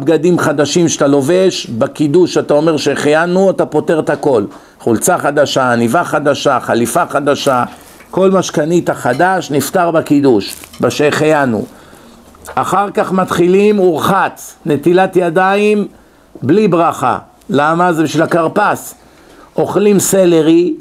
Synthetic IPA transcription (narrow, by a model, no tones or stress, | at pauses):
bɡad̪imχad̪aʃimʃt̪alo̞veʃbakid̪uʃat̪ao̞me̞ʁʃeχejanuatapo̞te̞ʁt̪ako̞l | χult͡saχad̪aʃaːnivaχad̪aʃaχalifaχad̪aʃa | ko̞lmaʃkanit̪aχad̪aʃnift̪aʁbakid̪uʃbaʃeχejanṵ | aχaʁkaχmat̪χilimuʁχat͡sne̞t̪ilat̪jad̪aim | blibʁaχa̰ | lamazebiʃvilakaʁpas | o̞χlimseleʁi